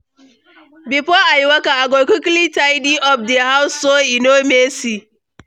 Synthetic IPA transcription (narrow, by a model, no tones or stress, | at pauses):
bipɔajiwakaaɡokuklitaidiʔɔfdiaɦawʊsːoinomesi